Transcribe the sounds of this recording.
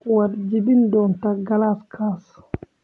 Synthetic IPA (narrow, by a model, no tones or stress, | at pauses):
wadd͡ʒibindɔntaɡalaskʰas